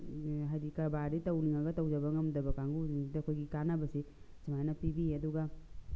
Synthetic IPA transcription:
ɦadikaɾbaɾitɐwniŋaɡɐtɐwd͡ʒabaŋɐmdɐbɐkaŋɡuiidɐkʰojɡikanabɐsi | samajnapibiɐduɡa

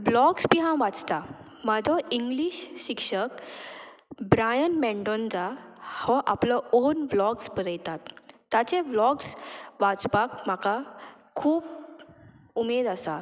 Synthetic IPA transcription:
blɔkspiɦãʋat͡st̪a | mad͡zʱɔiŋɡliɕɕikʂək | bɾajənmɛ̃ɳɖɔnd͡zahɔʔaplɔonblɔksbəɾəjt̪at̪ːat͡ɕẽblɔksʋat͡spakm̤aka | kʰuːp | umed̪asa

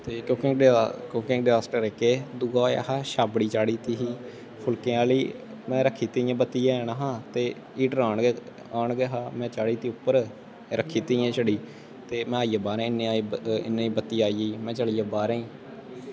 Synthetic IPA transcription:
t̪eːkokɪŋkoːkɪ̃ŋɡɖɪzaːsʈəɾeːkeːd̪ʊɡaoja̰ːhaːʃaːbɽiːt͡ʃaːɽiːt̪iːɦiː | pʰʊlkẽːãːliː | mɛ̃ːɾəkʰːiːt̪əjãːbət̪ːiːãːɛːɽaːɦãːt̪eː | iːʈəɾaːɳ | aːɳɡɛːɦaːmɛ̃ːt͡ʃaːɽiːt̪iːʊpːəɾ | ɾəkʰiːt̪ijãːt͡ʃəɽiː | t̪eːmɛ̃ːaːijãːbaːɾẽːɪnẽːaːiɪ̰nːẽːiːbət̪ːiːaːiːiːmɛ̃ːt͡ʃəɭiːaːbaːɾẽĩː

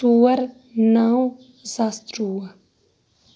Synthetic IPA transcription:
uːɐɾ | naːw̃ | zaːst̪ɾuːɐ

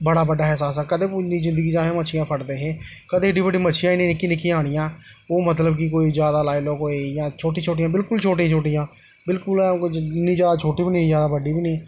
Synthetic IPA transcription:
bəɽaːbəɖaːɦɛːsaːsɛːkəd̪eːpuniːzɪ̃nd̪əɡiːd͡ʒaːɦẽːmət͡ʃʰɪjãːpʰəʈd̪eːɦẽː | kəd̪eːɖiːbəɖiːmət͡ʃʰʃʰijãːnĩːnɪkiːnɪkʰːiːaːɽ̃ɪjãː | oːmət̪ləbkikoːiːzjaːd̪aːlaːiloːkoːijãːt͡ʃʰoːʈĩːt͡ʃʰoːʈijãːbɪlkʊlt͡ʃʰoːʈ̬ĩt͡ʃʰoːʈijãː | bɪlkʊlnĩːd͡ʒjaːd̪aːt͡ʃʰoːʈiːbiːnĩːzjaːd̪aːbəɖiːbiːniː

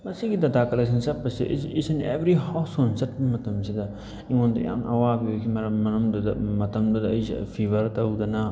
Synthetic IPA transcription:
mɐsiɡidɐtakɐleks̬ɐnsɐt̚pːɐsiʔisɐnḛbɾihawsonsɐt̚bɐmɐtɐmsidɐ | iŋondɐ̰ja̰ŋʔɐ̰wabiokʰimɐɾɐmɐnɐmdudɐmɐtɐmdudɐɐjsḭpʰibɐɾtɐwdɐnɐ

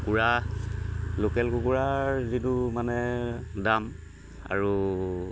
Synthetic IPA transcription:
kuɹa | lokɛlkukuɹazitumanɛdam | a̰ɹu

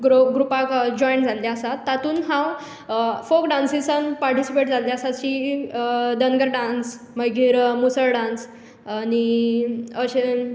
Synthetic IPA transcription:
ɡɾoɡɾupakd͡ʑɔjɳʈd͡zald̪aəsat̪ːat̪uːnɦãw | fokɖãnsisənpaɾʈisipeʈd͡zald̪eəsat͡ɕi | d̪ənɡəɾɖãns | məɡiɾmusəɾɖãns | ani | əɕe

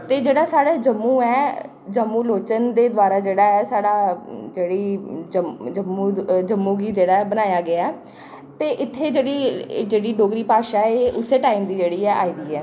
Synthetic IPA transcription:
t̪eːd͡ʒeːɽaːsaːɽaːd͡ʒəmːũːɛː | d͡ʒəmːũːloːt͡ʃənd̪eːd̪ʋaːɾaːd͡ʒeːɽaːɛːsaːɽaːd͡ʒeːɽiːd͡ʒəd͡ʒəmːũːd͡ʒəmːũːɡiːd͡ʒeːɽaːɛbənaːjaːɡɪaɛː | t̪eːʔɪt̪ʰːeːd͡ʒeːɽiːd͡ʒeːɽiːɖoːɡɾiːpaːʃaːɛeːʔʊseːʈaːiːmd̪iːd͡ʒeːɽiːɛːʔa̰ːiːd̪iːɛː

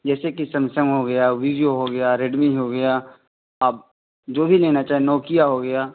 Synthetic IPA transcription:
d͡ʒɛːsekisɐmsə̃ŋɡɦoɡɐjaʋiːɖijoɦoɡɐjaɾeɖmĩɦoɡɐjaː | aːb | d͡ʒoːbʱileːnat͡ʃaːɦenɔːkijaɦoɡɐjaː

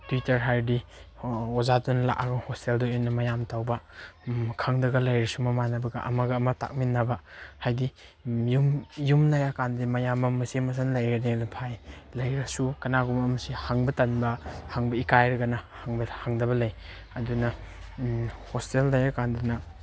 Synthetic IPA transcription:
twitɐɾɦajɾdi | ozatunla̰kʔaɡɐhosteldɔɔnɐmɐjamtawbɐ | kʰaŋdɐɡɐlɐjɾɐsumɐmanɐbɐɡɐ̰ʔɐ̰mɐɡɐːmɐta̰k̚minːɐbɐhajdi | jumjumnajakandimɐjamɐmɐsemɐs̬anlɐjɾɐnelapʰajlɐjɾɐsukɐnaɡumɐmɐsihaŋbɐtɐnbɐhaŋbɐikajɾɐɡɐnɐhaŋbɐhaŋdɐbɐlɐj | ɐdunɐ | hostelnɐjakandɐnɐ

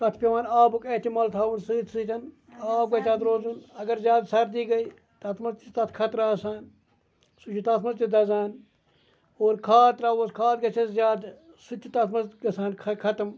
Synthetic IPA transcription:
t̪ɐt̪ʰpeʋaːnaːbuket̪imɐlt̪ʰaːunsɨːt̪sɨːt̪ʲɐn | aːb̚ɡɐt͡ʃaːd̪ɾoːzunɐɡɐɾzʲjaːd̪sɐɾd̪iːɡɐiː | t̪ɐt̪ʰmɐzit̪ɐt̪ʰkʰɐt̪ɾaːsaːn | sut͡ʃʰut̪ɐt̪mɐzt̪id̪ɐzaːn | oːɾkʰaːt̪ɾaːʋoskʰaːt̪̚ɡɐt͡ʃʰɐzzjaːd̪ | sut͡ʃʰit̪ɐt̪ʰmɐzɡɐsaːnkʰɐkʰɐt̪ɐm

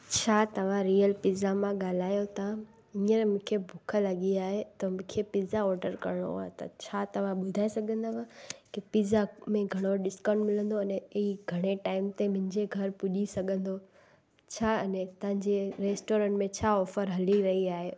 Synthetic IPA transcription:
t͡ɕʰaːt̪ɐʋ̤ãɾijəlpizamãɠaːl̤aːjot̪ã | ĩːəɾmʊ̃kʰebʱʊkʰəlɐɠiaːɦet̪ɐmʊ̃kʰepɪːzaɔːɾɖəɾkɐ̰ɾəɽ̃o̰a̰ːɦet̪ɐ̰t͡ɕʰaːt̪ɐʋ̤ãɓʊd̪ʱaːisɐɡʱə̃nd̪amãkipizamẽɡʱɐɽ̃oɗɪskãːɳɖmɪlə̃nd̪oɐnɛɦiɡʱɐɽ̃eʈaːɪmt̪emʊ̃ɦɪ̃ɲd͡ʑeɡʱɐɾpʊʄisɐɡʱə̃nd̪o | t͡ɕʰaːɐnɛt̪ɐɦɪ̃ɲd͡ʑeɾeːsʈoːɾə̃ɳʈmẽt͡ɕʰaːɔːfəɾɦɐliɾɐɦiaːɦeː

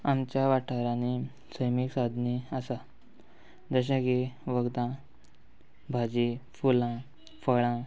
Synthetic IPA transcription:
amt͡ɕjaʋaʈʰaɾãni | səjmiksad̪ʱniasa | d͡zəɕ̬aɡeʋəɡd̪ã | bʱad͡ʑefulã | fəɭã

